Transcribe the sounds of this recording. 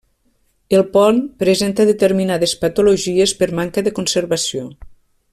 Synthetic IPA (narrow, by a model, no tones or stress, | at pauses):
elˠpɔnpɾezent̪əðet̪əɾminað̞espɐt̪uloʒiespəɾmaŋkəðəkonsəɾβɐsio